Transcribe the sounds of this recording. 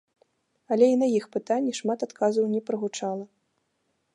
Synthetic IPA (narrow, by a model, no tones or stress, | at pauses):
ɐlʲɛinɐjixpɨt̪anʲːiʂmat̪at̪kazɐwnʲɛpɾɨɣut͡ʂalˠɐ